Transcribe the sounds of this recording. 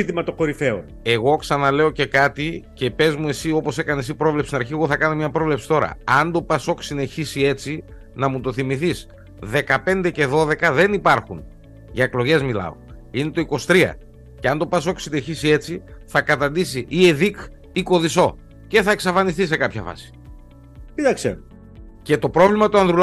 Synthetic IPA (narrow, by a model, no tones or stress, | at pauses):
t̪imɐt̪oko̞ɾifeo̰ | e̞ɣo̞ksɐnɐle̞o̞ce̞kɐt̪ice̞pe̞zmue̞sio̞po̞se̞kɐnesipɾo̞vlepst̪inɐɾçieɣo̞θɐkɐno̞mɲɐpɾovle̞psi̥t̪o̞ɾɐ̰ɐnd̪o̞pɐso̞ksine̞çisie̞t͡si | nɐmut̪o̞θimiθis | ðe̞kɐpe̞nd̪e̞ce̞ðo̞ðe̞kɐðe̞nipɐɾxun | ʝɐeklo̞ʝe̞zmilɐ̰o̞̰ | ine̞t̪o̞iko̞st̪ɾiɐ̰ | ceɐnd̪o̞pɐs̬oksine̞çisie̞t͡siθɐkɐt̪ɐnd̪isiʔieðik | iko̞ðiso̞ | ce̞θɐeksɐfɐnist̪is̬e̞kɐpçɐfɐ̰si̥ | it̪ɐksḛ | ce̞t̪o̞pɾo̞vlimɐt̪oɐnðɾul